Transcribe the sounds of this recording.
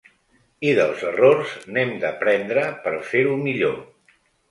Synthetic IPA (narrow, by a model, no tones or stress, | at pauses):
iðəlˠzərorznemd̪əpɾɛnd̪ɾəpəɾfeɾumiʎo